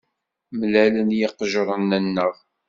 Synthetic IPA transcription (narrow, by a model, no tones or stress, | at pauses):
mlælənjiqʒɾˤənːənːəʁ